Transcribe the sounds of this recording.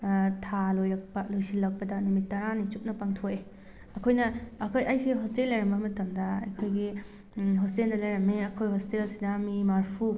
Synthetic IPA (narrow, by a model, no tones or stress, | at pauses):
tʰalojɐk̚bɐlojsilːɐk̚pɐdɐnumitːɐɾanit͡ʃup̚nɐpaŋtʰoe | ɐkʰojnɐːkʰojɐjsiɦɔstelːɐjɾɐmbɐmɐtɐmdɐɐkʰojɡi | ɦosteldɐlɐjɾɐmeɐkʰojɦostelsidɐmimaɾpʰu